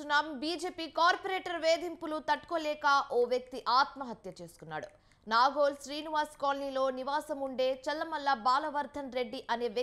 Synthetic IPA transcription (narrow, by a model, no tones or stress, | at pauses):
unːaːmbiːd͡ʒeːpiːkaːɾpɐɾeːʈɐɾʋeːd̪impulut̪ɐʈːkoːlɛːkaːʔoːʋjɐk̚t̪iʔaːt̪mɐɦɐt̪jɐt͡ʃe̞ːsu̥kunːa̰ːɽṵ | naːɡoːlʃɾiːniʋaːɾskaːlɐniːlo̞ːniʋaːsɐmuɳɖe̞ːt͡ʃɛlːɐmɐlːɐbaːlɐʋɐɾd̪ʱɐnɾe̞ɖːiʔɐneːʋ